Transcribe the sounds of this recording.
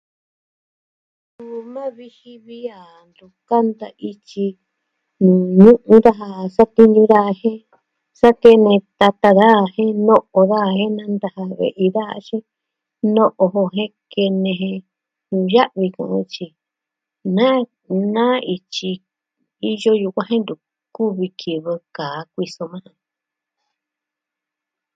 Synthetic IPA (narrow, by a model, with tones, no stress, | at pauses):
nũ˨mã˦βi˧hi˧βi˦a˨ | nd̪u˨ka˦nd̪a˧ʔi˧t͡ʃi˧ | nũː˨ɲũ˦ʔũ˦ða˦ɦa˧sa˦t̪i˦ɲũ˧ða˦˧hẽ˦ | sa˦ke˦nẽ˧t̪a˧t̪a˧ða˦˧˨hẽ˦nõ˦ʔo˧ða˦˧hẽ˦nã˦nd̪a˧ha˧βḛ˨ʔi˧ða˦ha̰˧˦ʃĩ˦ | nõ˦ʔo˧ɦo˧ɦẽ˦ke˧nẽ˧ɦẽ˧ | ɲũ˧ja˦ʔβi˧kṵ̃˧˨ʔṵ̃˦t͡ʃi˧ | nã˦ | nã˦i˧t͡ʃi˧ | i˧jo˦ju˧kʷã˦ɦẽ˦nd̪u˨ | ku˦βi˧kʰi˨βɨ˧kaː˨˦kʷi˧so˧mã˦hã˧